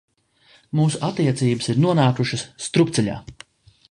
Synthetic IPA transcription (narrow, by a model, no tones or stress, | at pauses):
muːsuʔat̪iɛt̪siːbəsiɾnuɔnaːkuʃɐsːt̪ɾup̚t̪sɛʎʲa̰ː